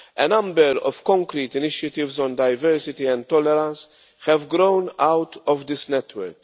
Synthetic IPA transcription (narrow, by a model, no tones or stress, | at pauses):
ɛnɐ̃mbɛɾɔ̰fkɔ̃ŋkɾiːt̪ɪnɪʃjɐt̪ɪvzɔ̃nd̪ɐjvɛɾsɪt̪iɛ̃nd̪̚t̪ɔlɛɾɐ̃ns | hɛvɡɾonawt̪ɔvd̪ɪsnɛt̪wɛ̰ɾk